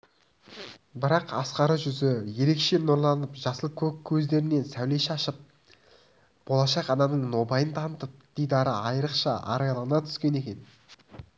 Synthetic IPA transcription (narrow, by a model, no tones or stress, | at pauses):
bɪɾɑqɑsqɑɾəʒʏzɪje̞ɾe̞kʃe̞noɾlˠɑnəpʒɑsəlˠkʲʰɵkʲʰːɵzd̪e̞ɾɪne̞nsæwle̞ʃɑʃəp̚ | b̥o̞lˠɑʃɑqɑnɑnəɴno̞bɑjənt̪ʰɑnət̪əp̚d̪̥ejd̪ɑɾəɑjəɾəqʃɑ̰ʔɑ̰ɾɑjlˠɑʁənɑt̪ʰʏ̥skʲe̞ne̞kʲe̞n